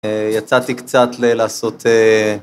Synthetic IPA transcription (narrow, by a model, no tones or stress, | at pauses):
jat͡sat̪ikt͡sat̪lelaːso̞t̪ʰe